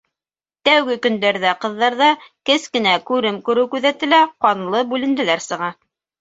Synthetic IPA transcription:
t̪æwɡɘkɵ̆nd̪æɾðæqɤ̆ðːɑɾðɑkɘskɘ̆nækʉɾɘmkʉɾɘwkʉðæt̪ɘ̆læqɑnlˠɤbʉlɘ̆nd̪ɘ̆læɾsɤ̆ʁɑ

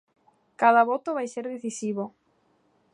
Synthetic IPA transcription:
kaðɐβɔt̪oβajseɾðeθisiβ̞o

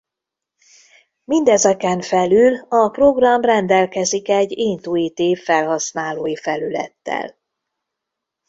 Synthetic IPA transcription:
mind̪ɛzɛkɛɱfɛlylɒpro̞ɡrɒmrɛnd̪ɛlkɛzikɛɟːiːnt̪uit̪eːfɛlɦɒsnaːloːjifɛlylɛ̰t̪ːɛ̰l

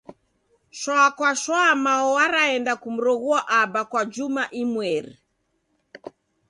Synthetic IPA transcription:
ʃwakwaʃwamaɔwaɾaɛndakum̩ɾɔɣuaʔabakwad͡ʒumaʔimwɛɾḭ

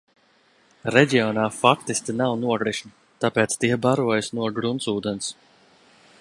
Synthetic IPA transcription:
ɾɛɟiɔnaːfakt̪isk̪ʲinawnuɔɡɾiʃni | t̪apeːt̪st̪ikbaɾuɔjisnuɔɡɾunsuːd̪ɛns

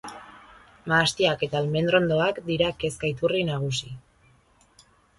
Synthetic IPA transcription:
maːst̪iake̞t̪alme̞nd̪ɾo̞nd̪o̞akd̪iɾake̞skajt̪urinaɣ̞usi

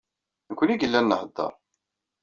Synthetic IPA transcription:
nəkʷːəniɡəlːænːəhəd̪ˤːə̰ɾˤ

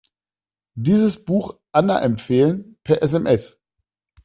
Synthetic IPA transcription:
diːzəsb̥uːxʔanɐʔɛmfeːlənpʰɛɐʔɛs̬ɛmʔɛs

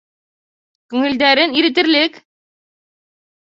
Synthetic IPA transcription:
kʉŋɘ̆ld̪æɾɘniɾɘ̆t̪ɘ̆ɾlɘk

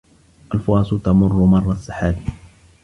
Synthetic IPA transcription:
ʔalfʊɑːsʊt̪amʊrˤːʊmɑrˤːɑsˤaħaːd̪i

